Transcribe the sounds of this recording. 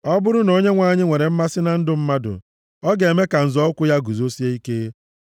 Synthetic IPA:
ɔ˦bʊ˦ɾʊ˦no˦ɲe˦ŋʷa˦˨˦ɲɪ˦ŋʷe˨ɾe˨m̩˦ma˦sɪ˦na˨n̩˦dʊ˦m̩˦ma˦dʊ̰˨ | ɔ˦ɡe˨me˦ka˨n̩˨zɔ˦ʊ˦kʷʊ˦ja˦ɡu˨zo˦si˦e˦i˦keː˦

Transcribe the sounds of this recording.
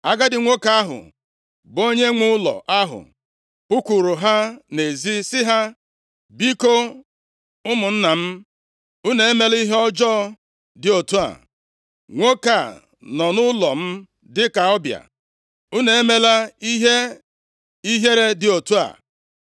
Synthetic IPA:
a˦ɡa˦dɪ˨ŋʷo˦ka˦a˦ɦʊ̰˨ | bo˦ɲe˦ŋʊ˦ʊ˦lɔ̰˨ʔa˦ɦʊ̰˨ | pu˦kʷu˨ɾu˨ɦa˦ne˨zi˦sɪ˦ɦa˦ | bi˦ko˦ | ʊ˦mʊ˨n̩˦na˨m̩˦ | u˦ne˨e˦me˨li˦ɦe˦ɔ˦d͡ʒɔ˦ | dɪ˨o˨tu˦a̰˨ | ŋʷo˦ka˨ | nɔ˨nʊ˦lɔ˨m̩˦ | dɪ˦ka˨ɔ˦bja̰˨ | u˦ne˨e˦me˦la˦i˦ɦe˦ | i˦ɦe˦ɾe˦dɪ˨o˨tu˦a̰˨

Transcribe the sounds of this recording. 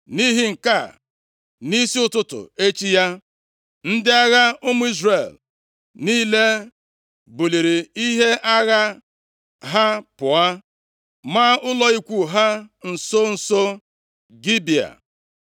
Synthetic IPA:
ni˦ɦi˦ŋ̩˨ka˦˨ | ni˦si˦ʊ˦tʊ˦tʊ̰˨e˦t͡ʃi˦ja˦ | n̩˦dɪ˦a˦ɣa˦ʊ˦mʊ˦i˦zre˨l | niː˦le˦ | bu˨li˨ɾi˨i˦ɦe˦ʔa˦ɣa˦ | ɦa˦pʊ˨a˦ | ma˦ʊ˦lɔ˦i˦kʷu˦ɦa˦n̩˨so˦n̩˨so˦ | ɡi˦bi˨a̰˨

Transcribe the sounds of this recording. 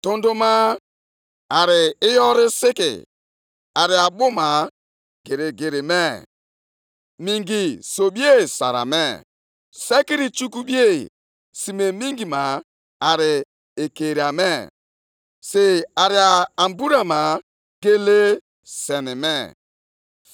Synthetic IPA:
to˦ndo˦ma˦ | a˨ɾɪ˨ɪ˦jɔ˦ɾɪ˦sɪ˦kɪ̰˨ | a˨ɾɪ˨a˨bʊ˦ma˨ | ɡ̥e˨ɾe˨ɡe˨ɾe˨me˦˨ | mi˨ŋɡi˨so˨bi˦e˦˨sa̰˨ɾa̰˨me˦˨ | se˦ki˦ɾi˨t͡ʃu˦ku˦bi˦e˦ | si˨me˨mi˦ŋɡi˨ma˨ | a˨ɾɪ˨ | e˨ke˨ɾi˨a˨me˦˨ | se˨a˨ɾɪ˨a˨a˨mbu˦ɾa˨ma˨ | ɡe˦le˦ | se˨ni˨me˦

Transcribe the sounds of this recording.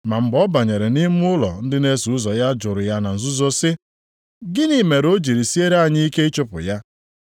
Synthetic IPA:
ma˨ŋ͡m̩˨ɡ͡bɔ˦ba˨ɲe˨ɾe˨ni˦m˦ʊ˦lɔ̰˨n̩˦dɪ˦ne˦su˨ʊ˦zɔ˨ja˦d͡ʒʊ˨ɾʊ˨ja˦na˨n̩˨zʊ˦zo˦sɪ˦ | ɡɪ˦ni˦me˨ɾo˦d͡ʒi˨ɾi˨si˦e˦ɾa˨ɲɪ˦i˦ke˦ɪ˦t͡ʃʊ˦pʊ̰˨ja˦

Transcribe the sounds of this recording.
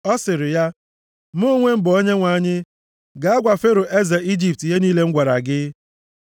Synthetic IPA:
ɔ˦sɪ˨ɾɪ˨ja˦ | m˦o˦ŋʷe˦m̩˦bʊ˨o˦ɲe˦ŋʷa˨˦ɲɪ˦ | ɡa˨a˦ɡʷa˨fe˦ɾo˨ʔe˦za˨i˦d͡ʒi˨p̚ti˨ɦe˦niː˦le˦ŋ̩˦ɡʷa˨ɾa˨ɡɪ˦

